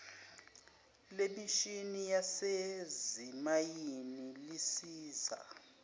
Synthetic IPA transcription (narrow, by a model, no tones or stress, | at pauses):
lemiʃinijasezimajinilisiːza̰